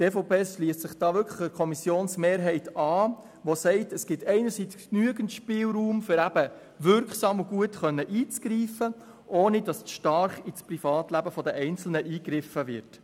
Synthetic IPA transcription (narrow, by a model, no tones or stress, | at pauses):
teːfɔpʰeːsʃliəstsɪχd̥ɑːʋʏɾkʰləχəkʰɔmisjoːnsmeːɾɦɛɪtʰɑː | ʋosɛɪtɛsɡ̥ɪtʰɛɪnəɾsit͡sknyəɡəntʃpɪːlruːmfʏɾæb̥ə | ʋʏɾkχsɑːmuɡuətχœnːəʔiːt͡sɡ̥ɾiːfə | ʔoːnid̥ɑsʃtɑɾχisprifɑːtlæbəfɔdəʔɛɪnt͡sl̩nəʔiːɡɾɪfəʋɪ̰ɾt